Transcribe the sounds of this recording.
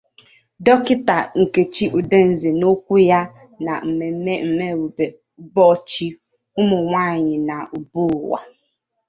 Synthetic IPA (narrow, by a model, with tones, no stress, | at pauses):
dɔ˦kɪ˦ta˨ŋ̩˨ke˨t͡ʃi˦ʔu˨de˦n̩˨zi˨no˦kʷu˦ja˦ | na̰˨m̩˨e˨e˦m̩˨me˦˨ɾu˨be˨˦ | bɔ˦t͡ʃi˦ | ʊ˦mʊ˨ŋʷaː˦˨ɲɪ˨na˨u˨bu˦˨wa̰˨